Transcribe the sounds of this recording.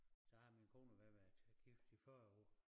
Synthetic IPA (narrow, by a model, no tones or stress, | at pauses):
sɒhɑ̈minkʰo̝̰ːnɐʋæɐʋæɐd̥ɡ̥ifd̥ifɶɐɔ̰ɐ̰